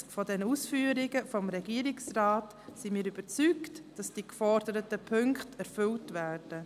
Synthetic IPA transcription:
fɔdɛnusfyːɾɪɡəfɔmɾɛɡiːəɾɪksraːt | simiːɾyb̥əɾt͡syktd̥ɑsd̥iːkfɔɾd̥əɾətəpʰʏŋkχtɛɾfʏltvæːɾd̥ə

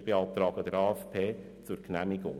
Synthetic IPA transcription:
b̥eɑlt̪ɾɑːɡ̥əd̥̪ɛɾɑːɛfpʰeː | t͡sʊɾknæmɪɡʊ̰ŋ

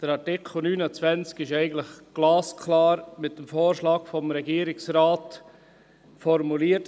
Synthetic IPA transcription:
d̥əɾɑɾtɪkʰl̩nyːnət͡svɛnt͡skɪʃɛɪɡən̩tlɪχɡ̥lɑːskʰlɑːɾmɪt̚dəmfoːɾʃlɑːɡfɔmɾɛɡiːəɾɪksɾaːt | fɔɾmuliːət

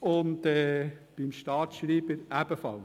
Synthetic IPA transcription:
ʊntɛb̥imʃtɑːtʃɾiːbəɾæb̥əfɑ̰l

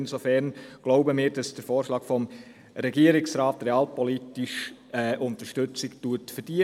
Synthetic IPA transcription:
nsofɛɾnɡ̥loʊbəmɪːɾd̥ɑsd̥əɾfoːɾʃlɑːɡ̥fɔm | ɾɛɡiəɾɪksɾɑːtɾeɑːlpɔlitiʃɛːʔʊnt̪əʃtʏt͡sɪktuətfəɾd̥iə

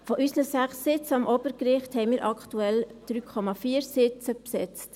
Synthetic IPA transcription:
fɔʔysnəsæχsːɪt͡səɑmʔoːbəɾkɾɪχthɛɪnmiːɾʔɑktuɛld̥ɾyːkʰɔmɑfiːɾsɪt͡səpsɛt͡st

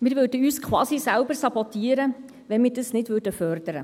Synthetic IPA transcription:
mɪːɾʋødəyːskʰwɑːsisælbərsɑbɔtiːɾə | ʋɛnmɪːrdəsnɪdʋʏdəfœrd̥əɾə̰

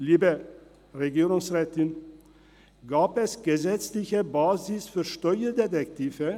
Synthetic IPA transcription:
liːbə | ʁeɡiːʁʊŋsʁɛːtɪn | ɡaːpɛsɡ̥əzɛt͡slɪçəbaːzɪsfyːɐʃtɔʏɐdetɛktʰiːvə

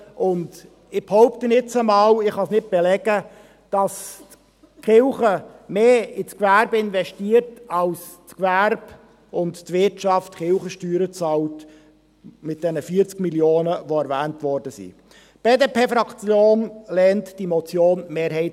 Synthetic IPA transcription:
ʔʊnd | ɪb̥hoʊptənɪt͡səmɑːlɪχhɑsnɪt̚b̥ɛlɛɡə | d̥ɑst | χɪlχəmeːɪt͡skvæɾbəɪnvɛʃtiːərtɑls | t͡skvæɾb̥ | ʊnttvɪtt͡ʃɑftχɪlχəʃtyːɾət͡sɑːlt | mɪt̚d̥ɛnəfiːəɾt͡skmiljoːnəʋoæɾvæːntʋɔrdəsḭ | b̥eːdepeːfɾɑkt͡sjoːnlɛntd̥imɔt͡sjoːnmeːɾɦɛɪt

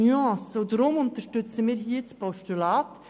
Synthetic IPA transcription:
yɑ̃sodɾʊmʊnt̪əʃtʏt͡səmiːɾɦiːt͡spɔʃtulaːt̪

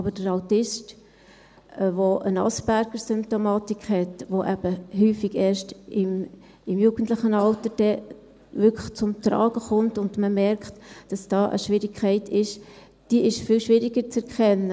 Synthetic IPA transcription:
ɑbəd̥əɾɑʊtɪst | ʋoʔənɑ̰sb̥æɾɡ̥əɾsʏmp̚t̪omɑːtikʰhɛtʋoʔæb̥əɦyːfiɡɛːɾʃtɪm | ɪmjuːɡ̥ən̩tlɪχənɑltəd̥ɛ | ʋʏkʰə̥t͡sʊmtɾɑ̰ːɡ̥əχʊntʊndməmɛɾkχtd̥ɑsd̥ɑːʔə̰ʃʋɪɾikʰχɛɪtɪʃ | d̥iəɪʃfɪlʃʋɪɾiɡəɾt͡sɛɾkχɛnːə

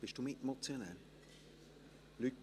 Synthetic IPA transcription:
b̥ɪʃd̥umɪtmot͡sjonɛl | lyt

